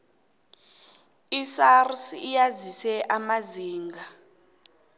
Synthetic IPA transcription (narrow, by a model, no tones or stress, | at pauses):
isarsijazisɛʔamaziːŋɡʱa